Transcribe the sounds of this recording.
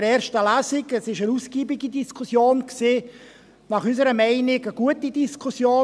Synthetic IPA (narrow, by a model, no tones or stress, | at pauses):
ɾɛːɾʃtəlæːzɪɡəsɪʃənusɡ̥iːbiɡidiskʰusjoːnksiː | nɑχysəɾəmɛɪnɪɡəɡ̥uətidiskʰusjoː